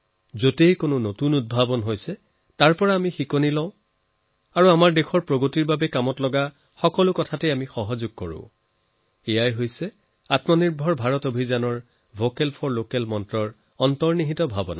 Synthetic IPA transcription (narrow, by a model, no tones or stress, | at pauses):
zotejkonʊnotunut̚bʱabɔnɦojsɛ | taɹpɔɹaːmixikonilɔʊ̃ | aɹuamaɹdexʰɔɹpɹoɡotiɹbabɛkamɔtlɔɡa | xɔkɔlʊkɔtʰatɛamixɔɦɔzuɡ̚kɔɹʊ̰̃ | ejajɦojsɛ | atmɔniɹbʱɔɹbʱaɹɔtobʱizanɔɹ | bʱokɛlpʰɔɹlokɛlmɔntɹɔɹ | ɔntɔɹniɦitɔbʱabɔna